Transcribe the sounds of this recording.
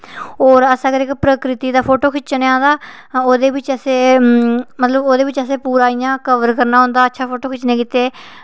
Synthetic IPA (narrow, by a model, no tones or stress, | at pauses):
oːɾəsaɡəɾɪkpɾəkɾɪt̪iːd̪aːpʰoːʈoːkʰɪt͡ʃneãːnd̪aː | oːd̪eːʋɪt͡ʃəseː | mət̪ləboːd̪eːʋɪt͡ʃəseːpuːɾaːijãːkəʋəɾkəɾnaːɦõːnd̪aːətːʃʰaːpʰoːʈoːkʰɪt͡ʃːnẽːkiːt̪eː